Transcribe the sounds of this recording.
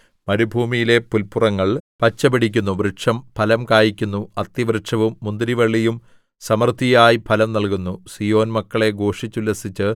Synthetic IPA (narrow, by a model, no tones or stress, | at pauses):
mɐɾubʱuːmijile̞pulpurɐŋːɐɭpɐt͡ɕːɐbiɽ̤ik̬ʲːunːuʋriʈʂɐmpʰɐlɐmkaːjikʲːunːuɐt̪ːjɐʋriʈʂɐʋumːund̪ɾiʋɐɭːijum | sɐmɐrt̪ʰijaːjipʰɐlɐmnɐlkunːusijo̞ːnmɐkːɐɭe̞ɡo̞ːʂit͡ɕːulːɐsit͡ɕːɨ